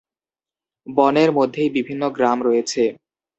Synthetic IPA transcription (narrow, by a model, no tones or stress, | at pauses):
bɔneɾmod̪ʱːejbibʱinːoɡɾamɾɔjet͡ɕʰe